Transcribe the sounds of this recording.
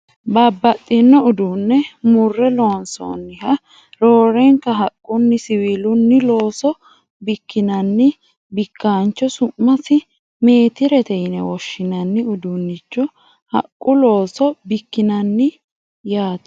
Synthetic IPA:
babːɐt̪ʼːɪnːɔʊd̪unːɛmʊrːɛlonso̰ːnːɪhɐ | ɾo̞ːɾɛŋkɐɦɐkʼːʊnːɪsɪwiːlʊnːɪlo̞ːsɔ | bɪkːɪnɐnːɪ | bɪkːaːnt͡ʃːɔsʊmːɐsɪ | meːt̪ɪɾɛt̪ɛjɪnɛ̰wɔʃːɪnɐnːɪʊd̪unːɪt͡ʃːɔ | hɐ̰kʼːʊlo̞ːsɔbɪkːɪnɐnːɪ | jaːt̪

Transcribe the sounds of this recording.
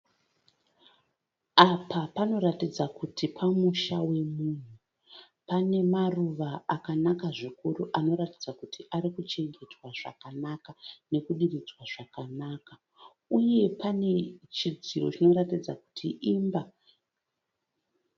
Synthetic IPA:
apapano̞ɾatid͡zakutʰipʰamuʃawe̞mun̤u | pane̞maruʋaakanakaʐikuruʔano̞ɾatid͡zakutʰiʔaɾikut͡ʃe̞ŋɡe̞twaʐ̥a̰kanakane̞kuɗirid͡zwaʐakanaːka | uje̞pane̞t͡ʃid͡ziro̞t͡ʃino̞ɾatid͡zaku̥tʰiʔimba

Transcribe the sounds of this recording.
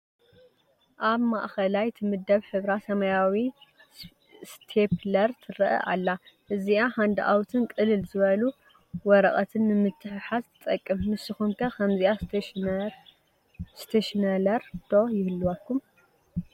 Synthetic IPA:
ʔaβma̰ʔxɐlajt̪ʰɨmɨd̪ːɐβħɨβɾasɐmajawi | st̪ʰeplɐɾt̪ʰɨɾɐʔɐ̰ʔa̰lːa | ʔɨziʔaħand̪ʔa̰wt̪ʰɨnkʼɨlɨlzɨβɐlu | wɔɾɐχʼɐt̪ʰɨnːɨmɨt̪ʰːɨħħazt̪ʰɨt̪ʼɐkʼːɨmnɨsɨxumkʰɐkʰɐmziʔa | st̪ʰeʃnɐlɐɾd̪̥o̞jɪhɨlːuwakːum

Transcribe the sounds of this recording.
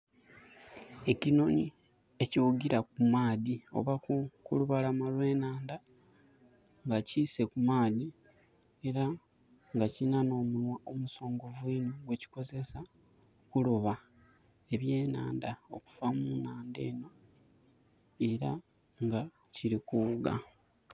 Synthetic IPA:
e̞cino̞ɲi | e̞ciwuɡiɾakumaːðio̞̰βakukṵluβalamalwe̞ːnaːnda | ŋɡaciːse̞kumaːði | e̞ɾa | ŋɡacinano̞ːmulwaʔomuso̞ːŋɡo̞vwiːnoɡwe̞ci̥ko̞ze̞sa | kuloβa | e̞βje̞ːna̰ːndao̞ku̥vamunaːnde̞ːno̞ | e̞ɾa | ŋɡa | ciɾikuɡa̰

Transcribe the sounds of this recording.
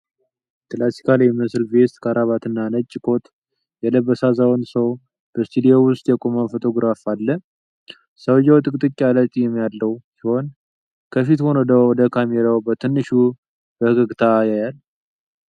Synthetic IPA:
t̪ʼlasi̥kʰaljɛmɨsɨlfest̪kʰaɾaβat̪ɨnːanət͡ʃʼːɪkʰo̞t̪ | jɛləβːəsazawnsəw | b̥əst̪ʰud̪ijowʊst̪ʼjɛkʼomanfo̞t̪ʰo̞ɡɾafalːə | səwjawt̪ʼɨkʼt̪ʼɨkʼːalət̪ʼijɛmːjalːəwsiho̞n | kʰəfit̪ho̞nəd̪əwɔd̪əkʰameɾawbət̪ʰɨnːɨʃu | bəhɨɡɨɡt̪ʰajajal

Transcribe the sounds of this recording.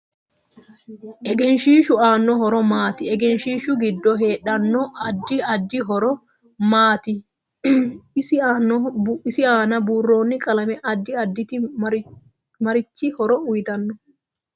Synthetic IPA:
ʔɛɡɛnʃiːʃʊaːnːɔɦɔɾɔmaːt̪ɪɛɡɛnʃiːʃʊɡɪd̪ːɔɦe̞ːᶑɐnːɔɐd̪ːɪɐd̪ːɪɦɔɾɔ | maːt̪ɪ | ɪsɪnːɔɪsɪaːnɐbuːrːo̞ːnːɪkʼɐlɐmɛʔɐd̪ːɪɐd̪ːɪt̪ɪ | mɐɾɪt͡ʃːɪhɔɾɔʊjɪt̪ɐnːɔ

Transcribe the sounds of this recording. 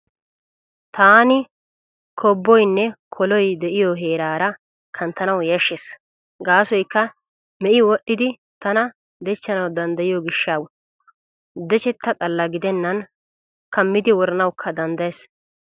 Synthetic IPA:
t̪aːnɪ | kʰɔbːɔjnːɛkʰɔlɔjd̪ɛʔɪjɔɦe̞ːɾaːɾɐ | kʰɐnt̪ːɐnɐwjɐʃːes | ɡaːsɔjkːɐ | mɛʔɪwɔʔːɪd̪ɪ | t̪ɐnɐ | d̪ɛt͡ʃːɐnɐwd̪ɐnd̪ɐjɪjɔɡɪʃːaw | d̪ɛt͡ʃɛt̪ːɐt̪ʼɐlːɐɡɪd̪ɛnːɐn | kɐmːɪd̪ɪwɔɾɐnɐwkʰːɐd̪ɐnd̪ɐjes

